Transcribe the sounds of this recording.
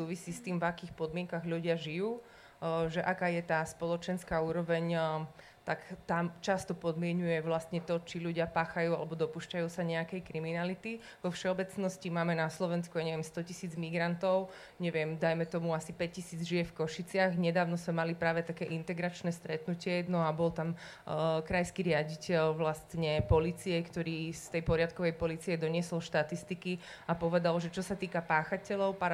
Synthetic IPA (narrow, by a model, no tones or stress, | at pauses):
suːʋisiːst̪iːmvakiːxpɔd̪mɪɛŋkaɣʎuɟɪaʒijuː | ʒɛʔakajɛt̪aːspɔlɔt͡ʃɛnskauːɾɔʋɛɲ | t̪akt̪amt͡ʃast̪ɔpɔd̪mɪɛɲujɛʋlast̪ɲɛt̪ɔt͡ʃiluɟɪapaːxajuːa̰lɛbɔd̪ɔpuːʃcajuːsaɲɛakɛjkɾiminalit̪i | ʋɔfʃɛɔbɛt͡snɔscimaːmɛnaslɔʋɛnskujaɲɛʋɪɛmst̪ɔcisiːd͡zmiɡɾant̪ɔʊ | ɲɛʋɪɛmd̪ajmɛt̪ɔmuasipɛccisiːd͡zʒijɛfkɔʃit͡sɪaɣɲɛd̪aːʊnɔsmɛmalipɾaːʋɛt̪akɛːʔint̪ɛɡɾat͡ʃnɛːst̪ɾɛt̪nucɪɛnɔabɔlt̪am | kɾajskiɾɪaɟicɛlʋlast̪ɲɛpɔlit͡sijɛkt̪ɔɾiːst̪ɛjpɔɾɪat̪kɔʋɛjpɔliːt͡siɛd̪ɔɲɪɛsɔlʃt̪at̪ist̪iki | apɔʋɛd̪alʒɛt͡ʃɔsat̪iːkapaːxacɛʎɔʊpa